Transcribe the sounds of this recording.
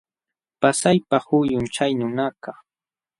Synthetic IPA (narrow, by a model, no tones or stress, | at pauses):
pasajpahʊjʊnt͡ʃajnʊnaka